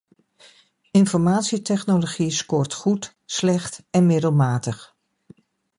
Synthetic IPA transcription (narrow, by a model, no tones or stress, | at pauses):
ɪnfɔɹmaːtsitɛχnoloχiskɔːɹtχut | slɛχtɛnmɪdəlˠmaːtəχ